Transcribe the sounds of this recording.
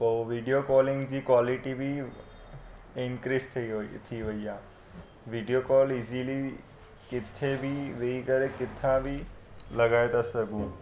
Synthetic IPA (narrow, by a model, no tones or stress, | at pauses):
poʋiɖijokɔːlɪ̃ŋɡd͡ʑiːkʋaːliʈibʱi | ɪnkɾist̪ʰt̪ʰiʋəija | ʋiɖijokɔːliːzili | kɪt̪ʰːebʱiʋeikəɾekɪt̪ʰːãbʱilɐɡaːet̪asəɡũː